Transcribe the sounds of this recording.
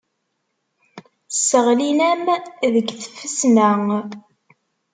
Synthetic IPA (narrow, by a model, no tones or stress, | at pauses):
səʁlinæmðəɡθə̥fːəsnæŋ